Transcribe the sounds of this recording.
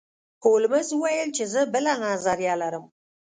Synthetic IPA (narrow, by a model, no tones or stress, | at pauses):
tʰolməzwajəlt͡ʃʰezəbəlanɑzɑɾjalaɾəm